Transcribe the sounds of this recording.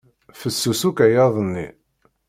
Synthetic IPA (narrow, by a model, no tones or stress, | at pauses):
fəsːusukæjɑðˤənːḭ